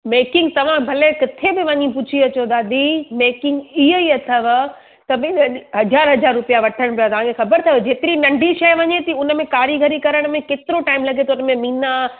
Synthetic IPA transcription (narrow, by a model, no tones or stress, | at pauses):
meːkɪ̃ŋɡ̚t̪ɐʋ̤ãbʱɐlekɪt̪ʰebɪʋɐɲĩp̬ʊt͡ɕʰiɐt͡ɕod̪aːd̪imeːkɪ̃ŋɡiɦəiɐt̪ʰəʋ | t̪ɐmẽɗɦɐzaːɾɦɐd͡ʑaːɾːʊpijaʋɐʈʰəɽ̃pijat̪ɐʋ̤ãːkʰexɐbəɾt̪ʰaːod͡ʑeːt̪ɪɾinɐ̃ɳɖʱiʃɐjʋɐɲet̪iʊnə̆mẽkaːɾiɡʱɐɾikɐɾəɽ̃mẽkeːt̪ɪɾoʈaːɪmlɐɡʱet̪oʊnə̆mẽmĩːna